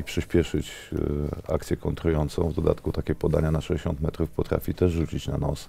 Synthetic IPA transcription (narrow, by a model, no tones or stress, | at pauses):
ipʂɘɕpʲjɛʂɘt͡ɕ | a̰k̚t̪sʲjɛkɔnt̪ɾujɔnt̪sɔ̃w̃vd̪ɔd̪a̰t̪kut̪akʲɛpɔd̪aɲanaʂɛd͡ʑeɕɔnt̪mɛt̪ɾufpɔt̪ɾa̰fʲit̪ɛʐʐut͡ɕit͡ɕnanɔs